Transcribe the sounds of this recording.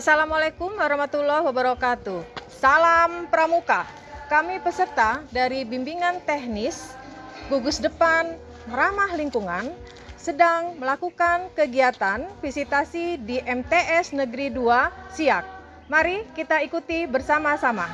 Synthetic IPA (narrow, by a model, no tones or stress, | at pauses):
asalamalekumwaɾahmat̪ulɔhwabəɾakat̪usalampəɾamuka | kamipəsərt̪adaɾibimbiŋant̪ɛhnɪs | ɡuɡusdəpan | əɾamahliŋkuŋan | sədaŋməlakukankəɡiat̪anfisit̪asidiʔɛmt̪eʔɛsnəɡəɾiduasiak̚ | maɾikit̪aikut̪ibərsamasama